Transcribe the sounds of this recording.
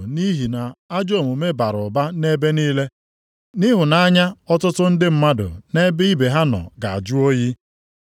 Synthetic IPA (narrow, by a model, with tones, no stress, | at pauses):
ni˦ɦi˨na˨a˦d͡ʒo˦˨mʊ˨me˦ba˨ɾʊ˨ba˦ne˦be˦niː˦le˦ | ni˦ɦʊ˨na˨˦a˦ɲa˦ɔ˦tʊ˦tʊ˦n̩˦dɪ˦m̩˦ma˦dʊ̰˨ne˦bɪ˦i˦be˨ɦa˦nɔ̰˨ɡa˨a̰˨d͡ʒu˦o˦ji˦